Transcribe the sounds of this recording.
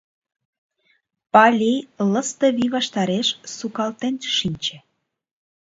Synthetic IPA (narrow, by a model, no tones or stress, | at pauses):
pɑlʲilə̆st̪əβiβɑʃt̪ɑɾeʃsukɑlt̪enʃinʲt͡ɕĕ